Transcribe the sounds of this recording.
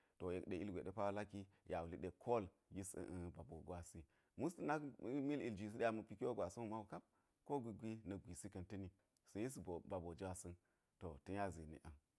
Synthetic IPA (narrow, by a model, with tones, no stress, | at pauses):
to˨je˨kɗe˨i˦lɡʷe˨ɗe˦pa˦wa˦la˦ki˦ | ja˨wu˨li˨ɗe˨kʰo˦˨l | ji˦sə̰˨ʔə˦ba˨bo˨ɡa˨si˦ | mu˦sti˦na˦mi˦li˨ld͡ʒi˨s̬i˦ɗa˦mu˨pi˦kwo˦ɡʷa˨su˦u˦ma˦wu˨ka˦p̚ | ko˦ɡʷi˨ɡʷi˦nɐ˨ɡʷi˨si˦kɐ˨ntə˦ni˨ | sa˨˦i˦so˨ba˨bo˨d͡ʒi˦wa˦sə˦n | to˨tu˦a˦zi˨nḭ˨ʔa˨n